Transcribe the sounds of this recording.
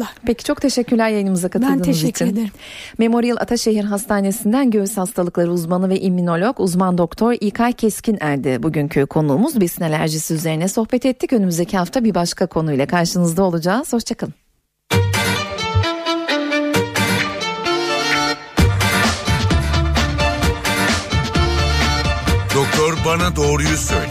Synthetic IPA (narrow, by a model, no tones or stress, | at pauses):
pʰecʰi̥t͡ʃʰo̞k̚t̪ʰe̞ʃɛcːyɾlʲæɾjajɯnɯmɯzakʰat̪ɯld̪ɯmzit͡ʃːʰind̪e | me̞mo̞ɾijɛlʲˠʔa̰t̪ʰaʃe̞ɦiɾɦast̪ʰaːne̞sind̪ænɟøvyshast̪ʰalˠɯklˠaɾɯuzmanˠɯvɛʔimːino̞lʲokuzmand̪o̞kt̪ʰo̞ɾiːkʰajcʰɛscʰinæɾd̪ɪbuɟyncʰykʰo̞nuːmuzbisinelʲæɾʒisiyze̞ɾinɛso̞xbɛt̪ʰɛt̪ʰːicø̞nymyzd̪ecʰihaft̪ʰabiɾbaʃkʰakʰo̞nujlʲˠɛkʰaɾʃɯnɯzd̪ao̞lˠud͡ʒaːz̥hoʃt͡ʃʰakʰalˠɯm | d̪̥o̞k̚t̪ʰoɾbanad̪o̞ːɾujusø̰lʲ